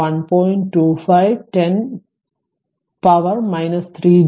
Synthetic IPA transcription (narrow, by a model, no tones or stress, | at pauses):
ɐ̃npɔ̃ɪɳʈʈːuːfaɪʋʈẽn | paʋəɾmaɪnɐst̪ʰɾiː